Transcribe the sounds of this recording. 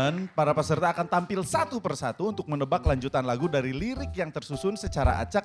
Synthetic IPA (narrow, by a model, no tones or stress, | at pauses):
npaɾapəsərt̪aːkant̪ampɪlsat̪upərsat̪uːnt̪ʊk̚mənəbaklaɲd͡ʒut̪anlaɡudaɾiliɾɪkjaŋt̪ərsusʊnsət͡ʃaɾa̰ʔa̰t͡ʃak̚